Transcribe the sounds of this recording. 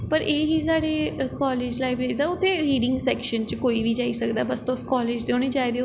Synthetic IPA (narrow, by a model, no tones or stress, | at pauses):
pəɾʔeːɦiːzaːɽeːkɔːleːd͡ʒlaːɪbɾeːɾid̪aːʊt̪ʰːẽːɾiːɖɪ̃ŋɡsɛːkʃənt͡ʃkoːiːʋiːd͡ʒaːiːsəkd̪aːbəst̪oʊskɔːleːd͡ʒd̪eõːneːd͡ʒaːid̪eo